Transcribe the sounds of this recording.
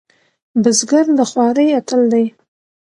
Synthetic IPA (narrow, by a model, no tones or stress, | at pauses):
bəzɡaɾd̪əxwɑɾəjat̪əld̪aj